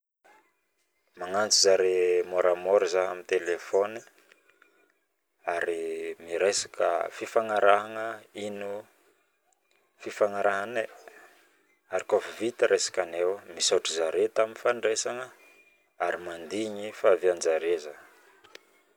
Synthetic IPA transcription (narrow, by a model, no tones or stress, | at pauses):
maŋant͡sizaɾemoɾamoɾizaamit̪elefɔni | aɾimiɾesḁkə̰fifaŋaɾaɦaŋəinu | fifaŋaɾaɦane | aɾikofvit̪əɾʔesḁkanewmisaʈ͡ʂizaɾet̪aminfaɳɖ͡ʐesaŋə | aɾimand̪iɲifaviand͡ʒaɾezə